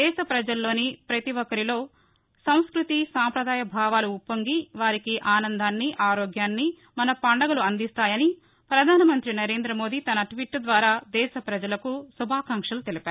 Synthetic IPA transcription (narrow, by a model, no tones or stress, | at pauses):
d̪ɛːʃɐpɾɐd͡ʒɐlːo̞ːnipɾɐt̪iʋɔkːɐɾilo̞ː | sɐw̃skɾut̪isaːmpɾɐd̪aːjɐbʱaːʋaːluːpːɐŋɡiʋaːɾikiʔaːnɐnd̪ʱaːnːiʔaːɾoːɡjaːnːi | mɐnɐpɐɳɖɐɡɐluɐnd̪ist̪aːjɐni | pɾɐd̪ʱaːnɐmɐnt̪ɾinɐɾe̞ːnd̪ɾɐmo̞ːd̪it̪ɐnɐʈʋiʈːd̪ʋaːɾaːd̪ɛːʃɐpɾɐd͡ʒɐlɐkusubʱaːkɐŋkʂɐlut̪elipaːɾu